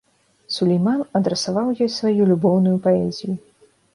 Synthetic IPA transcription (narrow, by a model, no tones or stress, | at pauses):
sulʲɛjmanɐd̪ɾɛsavawjɔjsvajulʲubɔwnujupaɛzʲiju